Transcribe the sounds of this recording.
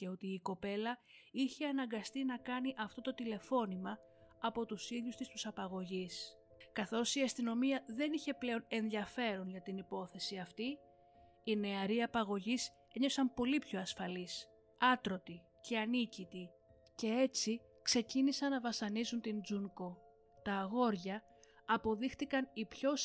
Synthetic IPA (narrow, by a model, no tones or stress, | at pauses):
ce̞o̞t̪iːko̞pe̞lɐ | içe̞ɐnɐŋɡɐst̪inɐkɐniʔɐft̪o̞t̪o̞t̪ile̞fo̞nimɐː | po̞t̪usiðjust̪ist̪usɐpɐɣo̞ʝis | kɐθo̞siɐst̪ino̞miɐðe̞niçe̞ple̞o̞ne̞nðiɐfe̞ɾo̞nʝɐt̪inipo̞θe̞siɐft̪i | ine̞ɐɾiɐpɐɣo̞ʝis | eɲo̞fsɐmpo̞lipço̞ɐsfɐlis | ɐt̪ɾo̞t̪i | ce̞ɐnicit̪i | ce̞e̞t͡si | kse̞cinisɐnːɐvɐsɐnizunt̪ind͡zuŋko̞ | t̪ɐːɣo̞ɾʝɐː | po̞ðixt̪ikɐnipço̞s